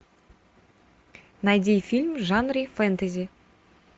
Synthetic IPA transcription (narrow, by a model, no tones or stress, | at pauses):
najd̪ʲifʲilʲmʐanrʲifɛnt̪ɐzʲi